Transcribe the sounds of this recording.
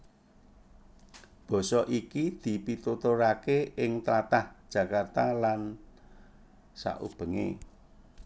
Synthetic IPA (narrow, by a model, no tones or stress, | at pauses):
b̥ɔ̤sɔʔikid̪̥i̤pit̪ut̪oɾakeɪŋt̪lat̪ahd̥ʒ̥ä̤kart̪alan | sa̰ʔṵb̥ə̤ŋḛ